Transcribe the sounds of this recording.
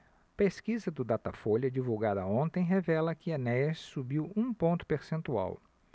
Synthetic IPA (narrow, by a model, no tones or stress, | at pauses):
peskizɐd̪ʊd̪at̪afoʎɐd͡ʒivuwɡad̪ɐõnt̪ẽj̃ɦevɛlɐkɪanɛssubiwũpõnt̪ʊ̥peɾsẽnt̪ua̰w